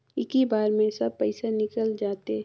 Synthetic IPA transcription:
ɪkibaːɾmẽsɐb̚pɛɪsanɪkəld͡ʒaːt̪e

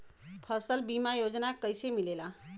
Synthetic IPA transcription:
pʰəsəlbimajod͡ʒnakəjsemilela

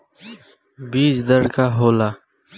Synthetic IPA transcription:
biːsd̪əɾkaɦoːlaː

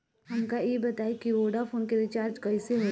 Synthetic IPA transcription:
ɦɐmkajebɐt̪aːikiʋoːɖafʰoːnkeɾɪt͡ʃaːɾd͡ʒkɐiseɦoː

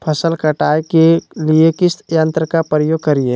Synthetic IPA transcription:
pʰəsəlkəʈaːjkeliekɪsjə̃nt̪ɾəkapɾəjoːɡ̚kəɾie

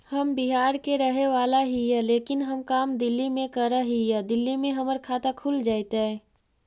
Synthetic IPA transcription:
həmbiɦaːɾkeɾəɦeʋaːlaɦijɛleːkɪnɦəmkaːmd̪ɪlːimẽkəɾəɦijɛd̪ɪlːimẽɦəməɾkʰaːt̪akʰuld͡ʒaːɪt̪ɛ

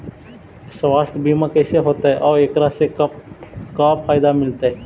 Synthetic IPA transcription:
sʋaːst̪biːmãːkeːseɦoːt̪ːeʔoːeːkɾaːseː | kaːpʰaːjd̪aːmɪlt̪aɛː

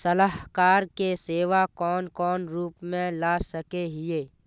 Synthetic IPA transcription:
sɐlaɦkaːɾkeseːʋakɔːnkɔːnɾuːpmẽlaːsɐkeɦɪeː

